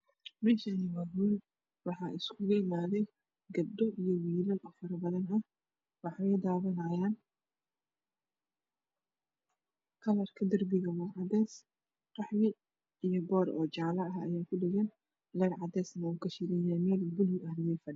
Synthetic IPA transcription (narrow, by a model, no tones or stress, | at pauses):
mɛːʃɐnɪwaːɦul | wɑħɑːʔɪskʰʊɣɐɪmaːðɛj | ɡɐb̚d̪ɔʔijɔwiːlɐlʔɔːfɐɾɐbɐðɐnɐ | wɑħɑwɛjd̪aːβɐnɐːjaːn | kʰɐlɐrkʰɐd̪ɐrbɪɣɐwɐʕɑd̪ɛːs | qɑħwɪ | ijɔbɔːɾʔɔ̰ːt͡ʃɑʕlɐɐɦɐjaːkʰʊɖɪɣɐn | lɛːɾʕɑd̪ɛːsnɐuːkʰɐʃɪɾɪjaːmɛːlbʊlʊʔɐlɛjfɐɖɪ